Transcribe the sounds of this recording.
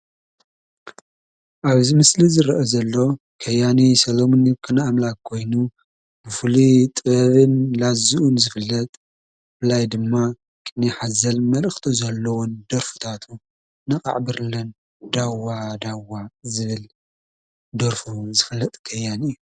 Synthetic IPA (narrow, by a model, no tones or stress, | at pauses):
ʔaβzimɨslizɨɾɐʔozɐlːo̞ | kʰɐjanisɐlomonikʰɨnaamlakkʰːo̞jnu | b̥ɨfɨlit̪ʼɨβɐβɨnlazuʔunzɨfɨlːɐt̪ʼ | bɨlajd̪ɨmːa | kʼɨniħazɐlmɐlɨxt̪ʰuzɐlːɐwund̪ɐɾfu̥t̪ʰat̪ʰu | nɨkʼa̰ʕbɨɾlɐn | d̪awad̪awazɨβɨl | d̪ɐɾfuzɨfɨlːɐt̪ʼkʰɐjaniju